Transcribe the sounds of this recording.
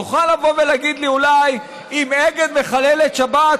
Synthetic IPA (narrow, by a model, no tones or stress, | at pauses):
uχalːavo̞velaɡid̪liulaj | imeɡed̪me̞χalelet̪ʃabat